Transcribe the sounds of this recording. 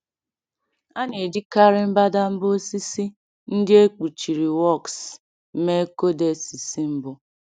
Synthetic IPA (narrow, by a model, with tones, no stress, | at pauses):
a˦ne˨di˦ka˦ɾɪ˦m̩˦ba˦da˦m̩˦bo˦si˦si˦ | n̩˦dɪ˦e˦k͡pu˨t͡ʃi˨ɾi˨wɔ˦˨ks̩˦ | me˦ko˦de˨si˨si˦m̩˦bʊ˦